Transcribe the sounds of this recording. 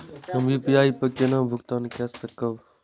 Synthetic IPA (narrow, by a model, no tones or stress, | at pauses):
əmiːpijaːiːpəkenãːbʱʊkt̪aːnkʰesəkəʋ